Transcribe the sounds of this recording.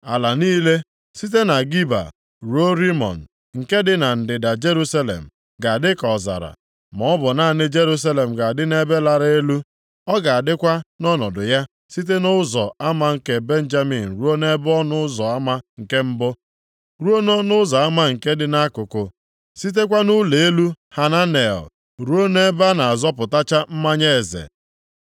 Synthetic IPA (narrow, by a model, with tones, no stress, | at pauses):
a˨la˨niː˦le˦ | si˦t̬e˦na˨ɡi˦ba̰˨ | ɾo˦ɾi˦mɔ̰˨n̩˨ | ŋ̩˨ke˦dɪ˦na˨n̩˨dɪ˨da˨d͡ʒe˦ɾu˦sa˦lḛ˨m̩˨ | ɡa˨a˨dɪ˦kɔ˨za̰˨ɾa̰˨ | mɔ˨˦bɔ˨na˦˨nɪ˦d͡ʒe˦ɾu˦s̬a˦le˨m̩˨ɡa˨a˨dɪ˦ne˦be˦la˨ɾe˦lu˦ | ɔ˦ɡa˨a˨dɪ˦kʷa˦nɔ˦nɔ˨dʊ˨ja˦ | si˦t̬e˦nʊ˦zɔ˨a˦ma˦ŋ̩˦ke˨be˦n̩˦d͡ʒa˦mi˨n̩˨ɾu˦o˦ne˦bɔ˦nʊ˦zɔ˨a˦ma˦ŋ̩˨ke˦m̩˦bʊ˦ | ɾu˦o˦no˦nʊ˦za˨a˦ma˦ŋ̩˨ke˦dɪ˨na˦kʊ˨kʊ˨ | si˦t̬e˦kʷa˦nʊ˦le˨e˦lu˦ | ha˨na˦ne˨ɔ̰˨ | ɾu˦o˦ne˦ba˦na˨a˨zɔ˦pʊ˨ta˦t͡ʃa˦m̩˦ma˦ɲe˦e˨zḛ˨